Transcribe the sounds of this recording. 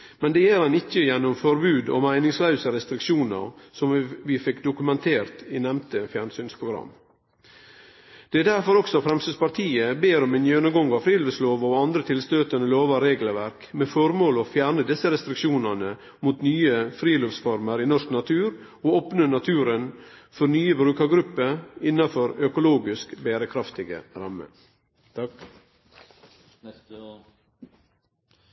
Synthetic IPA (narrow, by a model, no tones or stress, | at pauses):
mɛnd̪ɛjæɾɑnɪçːəjɛnːʊmfɔɾbʉːd̪o̰mæɪnɪŋslœʉsəɾɛst̪ɾɪkʂuːnə̰ɾsɔmʋɪfɪkd̪ʊkʉmɛnt̪ʰeːɾt̪ɪnɛmt̪əfjæːɳsyːnspʰɾʊɡɾɑ̰m | d̪̥ɛæd̪æɾfɔɾɔksɔfɾɛmsspɑɾt̪ʰiːəbeːɾɔmɛnjɛnʊmɡɔŋɡɑfɾiːlɔʋsloːʋɔɑnd̪ɾət̪ʰɪlst̪øːt̪ənəloːʋɑɾeːɡlʋæɾkmeːfɔɾmoːloːfjæːɳəd̪ɪsəɾɛst̪ɾɪkʃuːnɑnə | muːt̪nyːəfɾiːlɔʋsfɔɾməɾiːnɔʂknɑt̪ʰʉːɾ | oːɔpnənɑt̪ʰʉːɾənfɔɾnyːəbɾʉːkɑɡɾʉpːəɪnːɑfɔɾœkʊloːɡɪskbeːɾəkʰɾɑft̪ɪɡə̰ɾɑmːə̰